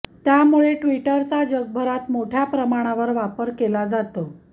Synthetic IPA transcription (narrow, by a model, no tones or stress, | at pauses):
t̪jamuɭeʈʋiʈəɾt͡sad͡ʑəɡ̚bʱəɾat̪moʈʰjapɾəmaɽ̃aʋəɾʋapəɾkelad͡zat̪ə